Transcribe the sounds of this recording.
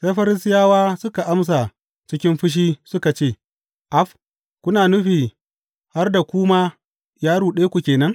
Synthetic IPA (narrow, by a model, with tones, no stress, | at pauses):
se˦ɸɐ˦ɾɪ˦sɪ˦jaː˦waː˦sʊ˦ka˨ʔa˦ms̬a˨ | t͡ʃɪ˦kʲɪ˦mɸʊ˦ʃ̬iː˦sʊ˦ka˨t͡ʃeː˦˨ | ʔa˦ɸ | kʷʊ˦naː˨nʊ˦ɸiː˨ | ha˦rda˨kʷʊː˦maː˦ | jaː˦ɽuː˨ɗeː˦kʷu˨kʲeː˨nɐ˦ŋ